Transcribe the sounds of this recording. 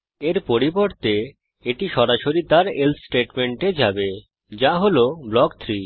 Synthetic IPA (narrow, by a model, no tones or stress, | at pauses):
eɾpoɾiboɾt̪e | eʈiʃɔɾaʃoɾit̪aɾelsʈeʈmeɳʈed͡ʑabe | d͡ʑaɦoloblɔkt̪ʰɾi